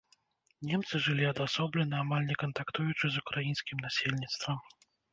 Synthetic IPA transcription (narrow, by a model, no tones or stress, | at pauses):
nʲɛmt̪sɨʐɨlʲiɐd̪asɔblʲɛnɐamalʲnʲɛkɐnt̪akt̪ujut͡ʂɨzukɾajinsʲkʲimnasʲelʲnʲit̪st̪vɐm